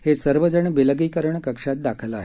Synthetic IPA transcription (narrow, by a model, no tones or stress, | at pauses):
hesəɾʋəd͡ʑəɳbeləɡiːkəɾəɳkəkʂat̪̚d̪akʰəlaɦe